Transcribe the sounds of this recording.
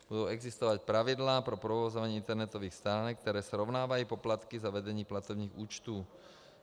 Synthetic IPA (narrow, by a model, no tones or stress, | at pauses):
b̥ud̪uːɛɡzist̪ɔʋac̚pɾaʋid̪laːpɾɔpɾɔʋɔːzɔʋaɲɛint̪ɛɾnɛt̪ɔʋiːxst̪aːnɛk̚t̪ɛɾɛːsɾɔʊnaːʋajuːpɔplat̪kizaʋɛd̪ɛɲiːplat̪ɔbniːɣuːt͡ʃt̪uː